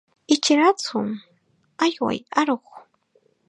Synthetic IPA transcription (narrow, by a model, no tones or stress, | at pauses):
ɪt͡ʃɾat͡sʊm | ajwa̰jaɾoχ